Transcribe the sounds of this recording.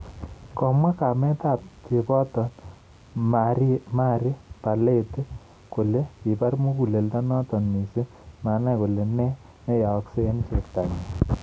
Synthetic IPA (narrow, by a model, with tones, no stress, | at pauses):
kɔ˨mwa˦ka˨mɛ˦ta˦˨tte˨pɔ˦tɔ˨n | maɾi˦ma˦ɾi˦pa˨le˦te˦ | ko˨le˦ki˨pa˦rmu˦ku˨le˨lta˦nɔ˦tɔ˨nmi˨se˦ | ma˨na˦ko˨le˨nɛ˦ | nɛ˦ja˨ɔ˦kse˦e˦n˦se˨kta˨ɲi˨